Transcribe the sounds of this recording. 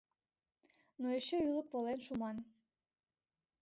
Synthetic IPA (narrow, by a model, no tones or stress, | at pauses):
noeʃeylˠəppolenʃumɑn